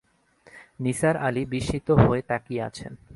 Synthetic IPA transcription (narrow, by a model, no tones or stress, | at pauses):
nisaɾalibiʃit̪oɦoet̪akia̰t͡ɕʰḛn